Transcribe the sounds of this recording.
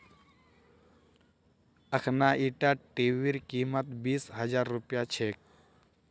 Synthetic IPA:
əkʰnaʔiʈaʈiʋiɾkiːmət̪biːsɦəd͡ʒaːɾːupjat͡ʃʰek

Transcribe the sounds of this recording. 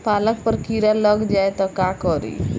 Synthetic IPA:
palək̚pəɾkiɾalʌɡd͡ʒajt̪ɔkakɔɾḭ

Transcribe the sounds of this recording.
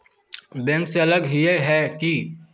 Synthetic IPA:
bɛ̃ːŋkseɐləɡɦieɦɛːki

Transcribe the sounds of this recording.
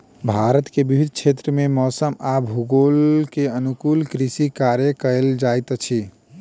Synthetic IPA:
bʱaɾət̪kebibʱid̪ʱt͡ʃʰet̪ɾəmemɔːsəmabɦuɡolkeənukulkɾisikaɾjəkəld͡ʒajt̪t͡ʃʰi

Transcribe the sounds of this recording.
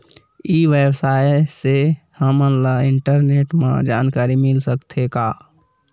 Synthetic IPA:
iːʋebsaːese | həmənlaɪ̃ɳʈəɾneːʈmã̰d͡ʒaːnkaːɾimɪlsəkt̪ʰekaː

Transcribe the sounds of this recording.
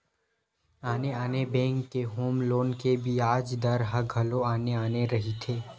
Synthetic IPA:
aːneaːnebɛ̃ːŋkːeɦoːmloːnkebʱiaːd͡ʒd̪ɐɾɦɐɡʱɐloaːneaːneɾɐɦit̪ʰeː

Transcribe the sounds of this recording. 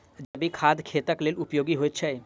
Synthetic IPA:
d͡ʒɐbikʰad̪ʱkʰet̪əklelupjoɡiɦoet͡ʃʰɛ

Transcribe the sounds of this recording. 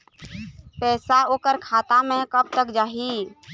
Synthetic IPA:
pɛːsaoːkəɾkʰaːt̪amẽkəb̚t̪əkd͡ʒaːɦi

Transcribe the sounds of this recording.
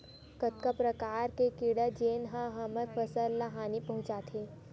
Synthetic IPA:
kət̪̚kapɾɐkaːɾkekiɽəd͡ʒeːnɦãɦɐməɾpʰəsəlːaɦaːnipɐɦʊ̃t͡ʃaːt̪ʰe

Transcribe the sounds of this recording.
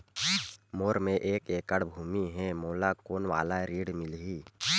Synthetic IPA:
moːɾmẽʔeːkeːkəɽbʱuːmiɦɛ̃moːlakoːnʋa̰ːlaɾiːɽmɪlɦiː

